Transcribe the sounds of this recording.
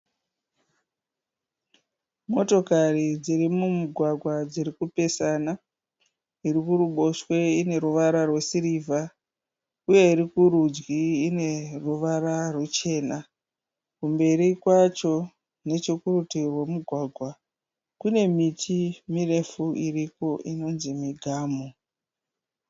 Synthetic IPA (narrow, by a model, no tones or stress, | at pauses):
mo̞to̞karid͡ziɾimumuɡʱwaɡʱwad͡zirikupe̞sana | irikuɾuɓo̞ʃwe̞ine̞ɾuʋaɾarwesiɾivʱa | uje̞iɾikuɾud͡ʒɡiːne̞ruʋaɾarwet͡ʃe̞ːna | kumbe̞ɾikwat͡ʃo̞ | ne̞t͡ʃekurutirwe̞muɡʱwaɡʱwa | kune̞mitʰimire̞fuiriko̞ʔino̞nzimiɡʱaːmo